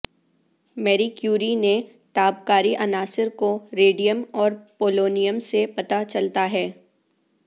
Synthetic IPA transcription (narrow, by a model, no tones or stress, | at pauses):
mɛːɾikjuːɾine | t̪aːbkaːɾiʔɐnaːsɪɾkoɾeːɖijəmɔːɾpoːloːnijəmsepɐt̪at͡ʃɐlt̪aɦɛː